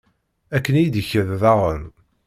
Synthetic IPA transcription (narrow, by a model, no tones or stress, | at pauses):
ækːənijid̪əçəððɑʁən